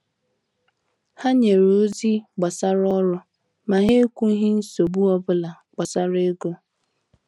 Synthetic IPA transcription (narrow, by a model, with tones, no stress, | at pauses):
ha˦ɲe˨ɾo˨˦zi˦ɡ͡ba˨sa˦ɾɔ˦ɾʊ˦ | ma˨ɦe˦kʷu˦ɦi˦n̩˦so˨bu˦ɔ˦bʊ˦la˨ | ɡ͡bɔ˨sa˦ɾe˦ɡo˦